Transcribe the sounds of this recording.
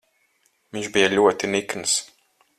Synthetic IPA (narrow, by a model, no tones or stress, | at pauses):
viɲʒbijalʲuɔt̪inikns